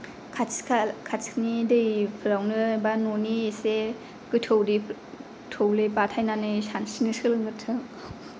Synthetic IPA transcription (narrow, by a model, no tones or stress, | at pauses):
kʰasʰakʰaskʰnidɯjpʰɯɾawnɯbanoniese | kɯtʰɯwdi | tʰowlɯjp̬atʰajnanɯsansinɯsɯlɯŋɡɯtʰɯŋ